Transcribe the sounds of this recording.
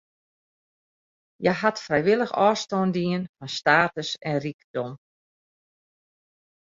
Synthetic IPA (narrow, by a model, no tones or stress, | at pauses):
jɛjɦatfrɛjʋɪlˠəxɔːstɔːndiənfɔnstaːtəsɛnrikd̥ɔm